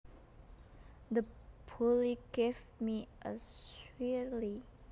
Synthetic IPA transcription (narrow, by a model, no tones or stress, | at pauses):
d̪əpʰuliɡ̥ev | miʔəswili